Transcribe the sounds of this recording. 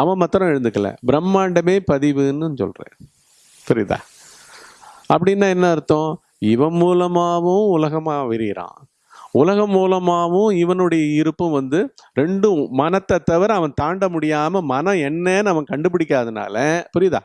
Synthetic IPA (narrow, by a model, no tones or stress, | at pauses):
ɐʋɐ̃mɐt̪ːɯɾɐ̃ɛɻɯnd̪ɯkːɐlɐ̰bɪɾɐmːaːɳɖɐmeːpɐðɪʋɯnːɯnːsɔ̰lɾḛ̃ː | pɛɾɪða̰ː | ɐpːɐɽɪnːaːɛnːɐɪɾɯt̪ːõː | ɪʋɐmuːlɐmaːʋʊ̃ʊlɐɣɐmaːʋɪɾɪɾã̰ː | ʊlɐɣɐmːuːlɐmaːʋʊ̃ɪʋɐnɯɽɐjɐɪɾɯpːɯ̃mʋɐnd̪ɯɾɛɳɖɯmɐnɐt̪ːɐt̪ːɐʋɐɾɐʋɐ̃nt̪aːɳɖɐmʊɽɪjaːmɐmɐnɐ̃ɛnːɛnɐʋɐ̃kɐɳɖɯp̬ɪɽɪkːaːðɯna̰ːlɐpʊɾɪða̰ː